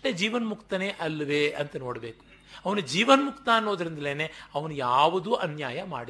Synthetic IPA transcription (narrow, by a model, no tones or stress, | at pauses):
ʈed͡ʒiːʋɐnɐmukt̪ɐne̞ːʔɐlːʋe̞ɐnt̪ɐno̞ːɽɐbe̞ːku̥ | ɐʋɐnud͡ʒiːʋɐnɐmukt̪aːɐnːoːd̪ɐɾind̪ɐle̞ːneːɐʋɐnujaːʋɐd̪uːʔɐnjaːjɐmaːɽi